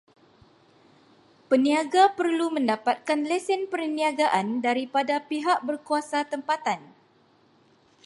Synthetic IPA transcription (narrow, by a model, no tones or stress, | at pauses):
pəniaɡapərlumə̃ndapat̪̚kanlɛsɪnpərniaɡaʔandaɾipadapiɦaʔ̚bərkuasat̪əmpat̪an